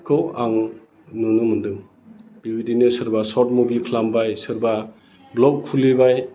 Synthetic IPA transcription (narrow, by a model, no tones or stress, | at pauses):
kʰɔwaŋ | nunɯmɯndɯŋ | b̥ibidinɯsɯɾbasɔt̚mubikʰlambajsɯɾba | blɔkʰulːibaj